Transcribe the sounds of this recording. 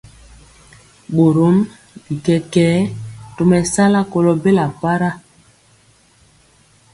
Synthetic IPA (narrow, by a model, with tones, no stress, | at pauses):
ɓo˨ɾo˨˦m | bi˨kɛ˦kɛː˨˦to˨mɛ˨sa˦la˦ko˨lo˨be˦la˨pa˦ɾa˦